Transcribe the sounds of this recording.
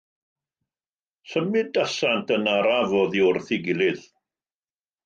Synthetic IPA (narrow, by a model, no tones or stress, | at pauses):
səmɪdasantʰənaɾavɔðiʊrθiɡɪlˠɪð